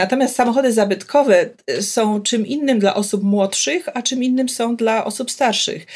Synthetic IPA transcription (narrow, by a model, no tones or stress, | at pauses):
at̪ɔmʲjast̪samɔxɔd̪ɘzabɘt̪kʰɔvɛsɔ̃w̃t͡ʂɘmʔinːɘmd̪la̰ʔɔsupmwɔtʂɘxat͡ʂɘminːɘmsɔ̃w̃d̪laʔɔsupst̪aɾʂɘ̰x